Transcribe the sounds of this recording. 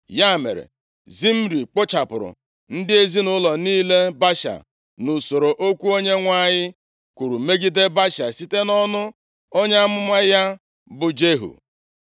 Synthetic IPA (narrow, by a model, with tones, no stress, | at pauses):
ja˦˨mḛ˨ɾḛ˨ | zi˦m̩˦ɾi˨k͡pʊ˦t͡ʃa˨pʊ˨ɾʊ̰˨ | n̩˦dɪ˦e˦zi˦nʊ˦lɔ˨niː˦le˦ba˦ʃa̰˨ | nʊ˨so˨ɾo˨ʔo˦kʷu˦o˦ɲe˦ŋʷa˦˨ɲɪ˦ | ku˨ɾu˨me˦ɡi˦de˦ba˦ʃa̰˨si˦te˦nɔ˦nʊ˦ | o˦ɲe˦a˦mʊ˦mʷa˦ja˦ | bʊ˨d͡ʒe˦ɦṵ˨